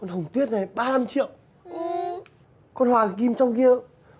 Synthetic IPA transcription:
kɔ˧˩nhə˨˩wŋ͡mt̪wi˦˥ət̚na˨˩jɓaː˧la˧mt͡ɕḭ˧˨əw | kɔ˧nhwaː˨˩ki˧mt͡ɕɔ˧wŋ͡mki˧ə

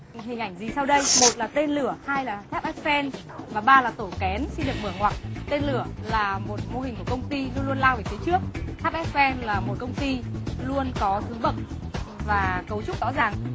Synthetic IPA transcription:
hï˨˩ŋ̟ʔa˧˩jŋ̟zi˨˩sa˧wɗə˧jmo˨˩t̚laː˨˩t̪e˧nlɨ˧˩əhaː˧jlaː˨˩t̪ʰaː˦˥p̚ʔɛ˦˥p̚fɛ˧n | vaː˨˩ɓaː˧laː˨˩t̪o˧˩kɛ˨˦nsi˧nɗɨ˨˩ək̚mɨ˧˩əŋwaː˨˩k̚t̪e˧nlɨ˧˩əlaː˨˩mo˨˩t̚mo˧hï˨˩ŋ̟ku˧˩əkə˧wŋ͡mt̪i˧lu˧nlu˧ənlaː˧wvi˨˩t̪ʰi˨˦t͡ɕɨ˦˥ək̚t̪ʰa˦˥p̚ʔɛ˦˥p̚fɛ˧nlaː˨˩mo˨˩t̚kə˧wŋ͡mt̪i˧lu˧ənkɔ˨˦zɨ˨˦ŋɓə˨˩t̚vaː˨˩kə˨˦wt͡ɕʊ˦˥k͡p̚zɔ̰˧˥zaː˨˩ŋ

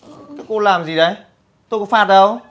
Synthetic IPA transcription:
kaː˨˦jko˧laː˨˩mzi˨˩ɗə˨˦j | t̪o˧jkfaː˧t̚ɗə˨˧˩w

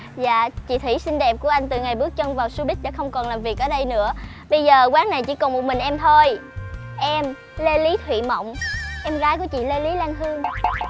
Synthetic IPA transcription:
za̰ː˧˨t͡ɕḭ˧˨t̪ʰwḭ˧˩˥si˧ŋ̟ɗɛ˨˩p̚ku˧˩əʔa˧jŋ̟t̪ɨ̰˨˩ŋa˨˩jɓɨ˦˥ək̚t͡ɕwŋ͡mvaː˨˩wsu˧ɓï˦˥k̟̚ɗa̰ː˧˥xə˧wŋ͡mkɔ˨˩nlaː˨˩mvi˨˩ək̚ʔəː˨˩ɗə˧jnɨ̰˧˥ə | ɓə˧jzəː˨˩kwaː˨˦ŋna˨˩jt͡ɕḭ˧˥kɔ˨˩nmo˨˩t̚mï˨˩ŋ̟ʔɛ˧mt̪ʰo˧jʔɛ˧m | le˧li˨˦t̪ʰwḭ˧˨mə̰˧˨wŋ͡mʔɛ˧mɣaː˨˦jku˧˩ət͡ɕḭ˧˨le˧li˨˦laː˧ŋɦɨ˧əŋ

